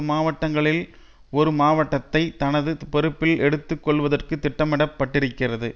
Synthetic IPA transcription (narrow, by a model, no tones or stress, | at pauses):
maːʋɐʈːɐŋɡɐɭɪl | ɔɾɯmaːʋɐʈːɐt̪ːɐɪt̪ɐnɐðɯpɛɾɯpːɪlɛɽɯt̪ːɯkːɔɭʋɐðɐrkɯt̪ːɪʈːɐmɪɽɐpːɐʈːɪɾɯkːɪrɐðɯ